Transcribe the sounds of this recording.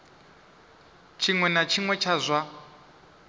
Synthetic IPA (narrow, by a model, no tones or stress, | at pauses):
t͡ʃʰiŋwɛnat͡ʃʰiŋwɛt͡ʃʰazʷa